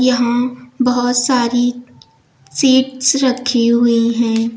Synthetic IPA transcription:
jɐɦãbɐɦʊt̪saːɾi | siːʈsɾɐkʰiɦʊiɦɛ̃ː

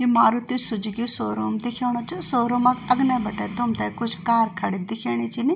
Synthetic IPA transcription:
imaːɾut̪isʊd͡ʒɡisoːɾoːmd̪ɪkʰeːɽ̃ot͡ʃisoːɾomɐkɐɡnebɐʈeːd̪omt̪ɐkʊt͡ʃʰkaːɾkʰɐɽid̪ɪkʰeːɽ̃it͡ʃini

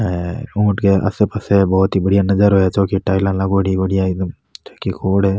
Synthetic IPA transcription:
ɦɛ̃ũːʈkeʔɐ̰sepɐsebɔːɔt̪ibɐɽijanɐd͡ʒəɾɦojat͡ʃoːkiʈaːɪlãlaɡoɽibɐɽijaɪd̪əm | t͡ʃoːkikʰoːɽɦɛː

